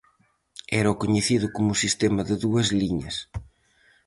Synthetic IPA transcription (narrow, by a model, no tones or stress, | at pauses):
ɛɾɐʊkoɲeθiðʊkomʊsist̪emɐðɪðuɐzliɲɐs